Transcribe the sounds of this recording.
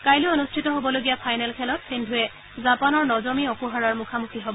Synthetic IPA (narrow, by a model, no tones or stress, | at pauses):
kajlʊonustʰitɔɦobɔloɡijapʰajnɛlkʰɛlɔtsindʱuɛ | zapanɔɹnɔzɔmiɔkuɦaɹaɹmukʰamukʰiɦɔbɔ